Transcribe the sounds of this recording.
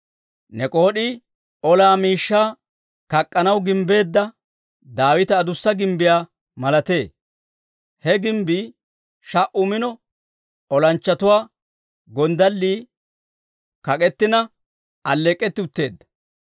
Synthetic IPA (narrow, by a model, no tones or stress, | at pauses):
nɛkʼo̞ːɗi | ɔlaːmiːʃːaː | kɐkʼːɐnɐwɡɪmbe̞ːd̪ːɐ | d̪aːwɪt̪ɐːd̪ʊsːɐɡɪmbɪjaː | mɐlɐt̪e̞ː | hɛɡɪmbiː | ʃɐʔʊmɪnɔ | ɔlɐnt͡ʃːɐt̪ʊwaː | ɡɔnd̪ɐlːiː | kɐkʼɛt̪ːɪnɐ | ɐlːeːkʼːɛt̪ːɪʊt̪ːe̞ːd̪ːɐ̥